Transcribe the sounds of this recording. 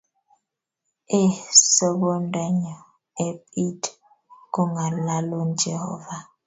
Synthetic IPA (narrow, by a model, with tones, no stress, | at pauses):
e˦sɔ˦bɔ˦ndɛ˦ɲɔ˨ | e˦pʼi˦d | kɔ˦ŋa˨la˦lo˦nd͡ʒɛ˨hɔ̰˦va˦